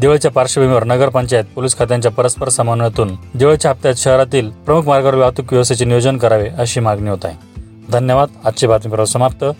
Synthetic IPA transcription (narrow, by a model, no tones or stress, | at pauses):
d̪eʋajt͡ɕjapaɾʂəbʱəmiʋəɾnəɡəɾpəɲt͡ɕajət̪̚poliskʰat̪jãɲt͡ɕjapəɾəspəɾsəmanuɳjat̪uːnd̪eʋat͡ɕjaːp̚t̪jaɕəɦɾat̪iːlpɾəmukʰmaɾɡaɾʋjat̪ukʋjəʋst̪et͡senijod͡ʑənkəɾaʋeʔəɕiːmaɡniɦot̪a̰j | d̪ʱənjəʋad̪at̪t͡ɕebat̪mipɾəəsəmap̚t̪ʰə